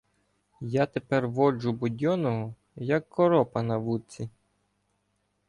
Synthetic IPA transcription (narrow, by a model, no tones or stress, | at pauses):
jat̪epɛrʋɔd͡ʒʊbʊdʲɔnɔɦɔ | jɐkːɔɾɔpɐnɐʋut͡sʲi